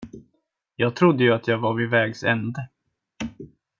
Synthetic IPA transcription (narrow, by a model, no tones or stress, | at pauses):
jɑːɡ̚t̪ʰɾʊd̪ːəjɵat̪jɑːɡvavɪvɛːɡsɛ̰nd̪ə